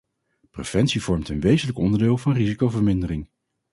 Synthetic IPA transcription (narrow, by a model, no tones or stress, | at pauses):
prḛv̥ɛntsiv̥ɔɹmtənʋejzənləkɔndəɹdɪːlˠvɑnrizikowvəɹmɪndərɪŋ